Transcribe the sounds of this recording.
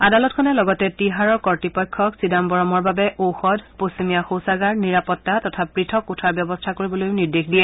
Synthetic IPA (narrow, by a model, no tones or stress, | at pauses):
adalɔtkʰɔnɛlɔɡɔtɛtiɦaɹɔɹkɔɹtipɔjkʰːɔksidambɔɹɔmɔɹbabɛʔowxɔdposimijaxowsaɡaɹniɹapɔtːatɔtʰapɹitʰɔkutʰaɹbjɔbɔstʰakoɹibɔlojniɹdexdijɛ